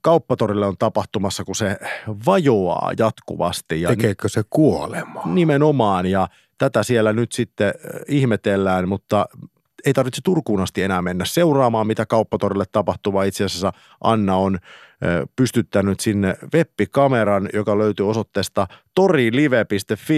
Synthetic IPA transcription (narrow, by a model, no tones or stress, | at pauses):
kɑupːɑt̪orilːeont̪ɑpɑht̪umɑsːɑkuseʋɑjoɑ̰ːjɑt̪kṵʋɑ̰st̪ijɑekeːkøsekuolemɑ̥nimenomɑːnjɑ | t̪æt̪æsielːænyt̪sit̪ːeihmet̪elːæːnmut̪ːɑ | eit̪ɑrʋit̪se̥t̪urkuːnɑst̪ienæːmmenːæsseurɑːmɑːmmit̪ækɑupːɑt̪orilːet̪ːɑpɑht̪uʋɑːit̪seæsesːæ | ʔɑnːɑon | pyst̪yt̪ːænyt̪sinːeʋepːikɑmeɾɑnjokɑløyt̪yːosot̪ːeːst̪ɑt̪oriːliʋepist̪efːi